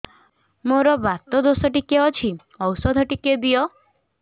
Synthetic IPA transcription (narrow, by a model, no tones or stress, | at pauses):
moɾɔbat̪ɔd̪osɔʈikeɔt͡ʃʰi | ɔwsɔd̪ʱɔʈiked̪ijɔ